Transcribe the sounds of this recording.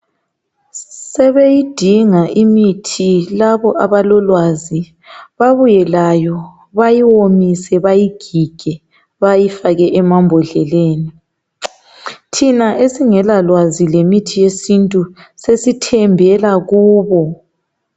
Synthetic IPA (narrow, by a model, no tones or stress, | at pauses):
sɛβejid̥ʱiŋaʔimitʰilaβɔʔaβalɔlwazi | βaβujɛlajɔ | βajiwomisɛβajiɡ̥ʱiɡ̥ʱɛ | βajifaɣɛʔɛmambʱɔɮɛleːni | tʰinaʔesiŋɛlalwazilemitʰijesintʼusesitʰɛmbʱɛlaɣuːβɔ